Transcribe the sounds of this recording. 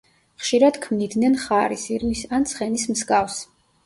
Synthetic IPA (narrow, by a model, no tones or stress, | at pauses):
χʃiɾad̪̥kʰmnid̪nɛnχaɾisiɾmisant̪sʰχɛnismskafs